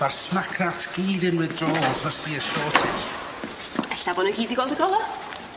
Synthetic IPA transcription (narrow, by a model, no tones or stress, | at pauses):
v̥arsmakʰnatʰɡ̥iːdɪnwɪðdrɔːlˠzməsb̥iːəʃɔːtʰɪt | ɛɬabɔːnənkʰiːdiɡwɔlˠdəɡɔlˠɔ